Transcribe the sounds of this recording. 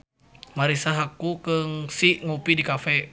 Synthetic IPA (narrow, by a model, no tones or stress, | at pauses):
maɾisaɦakukəŋsiŋupidikafɛ